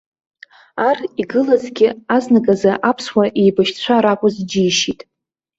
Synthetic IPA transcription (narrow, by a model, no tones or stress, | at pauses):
ariɡɨlazɡʲɪaznaɡʼazaʔapʰswaʔejbaʃt͡ɕʷʰaɾakʷʼʊzd͡ʒijʃitʼ